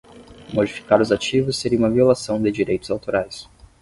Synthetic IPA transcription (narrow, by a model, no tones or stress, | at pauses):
mod͡ʒifi̥kaɾʊzat͡ʃivʊsːeɾiũmɐviolasɐ̃w̃d̪ɪd͡ʒiɾejt̪ʊzawt̪oɾajs